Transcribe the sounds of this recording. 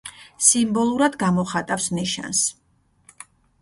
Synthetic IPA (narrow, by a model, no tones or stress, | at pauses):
simbɔlˠuɾad̪ɡamɔχat̪ʼafsniʃa̰ns